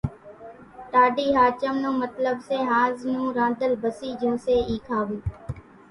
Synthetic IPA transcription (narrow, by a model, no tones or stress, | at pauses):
ʈ̪aːɖiːɦaːt͡ʃəmnũːmət̪ləbseːɦãːznũːɾãːd̪əlbəsiːd͡ʒũːseːiːkʰaːʋĩː